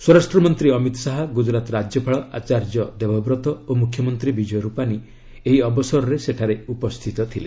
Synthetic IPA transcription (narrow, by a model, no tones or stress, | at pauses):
swɔɾasʈɾɔmɔnt̪ɾiɔmit̪ɔ̥saɦaɡud͡ʒɾat̪ɔɾad͡ʒjɔpʰaɭɔʔat͡ʃaɾd͡ʒɔd̪ebʱɔbɾɔt̪ɔomukʰjɔmɔnt̪ɾibid͡ʒɔjɔɾupani | eɦiɔbɔsɔɾɔɾeseʈʰaɾeupɔst̪ʰit̪ɔt̪ʰile